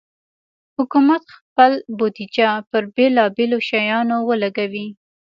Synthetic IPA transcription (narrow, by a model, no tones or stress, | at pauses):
hʊkumat̪xpəlbod̪id͡ʒapəɾbelɑbeloʃajɑnowəlaɡawi